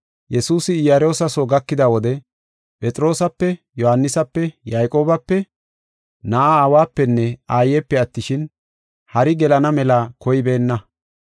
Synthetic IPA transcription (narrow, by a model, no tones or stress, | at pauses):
jɛsuːsɪɪjaɾo̞ːsɐsoɡɐkːɪd̪ɐwɔd̪ɛ | pʼɛt̪ʼɾo̞ːsɐpːɛjɔhɐnːɪsɐpːɛjajkʼo̞ːbɐpːɛ | naʔaːwaːpːɛnːɛaːjɛpːɛɐt̪ːɪʃɪn | hɐɾɪɡɛlɐnɐmɛlakɔjɪbe̞ːnːɐ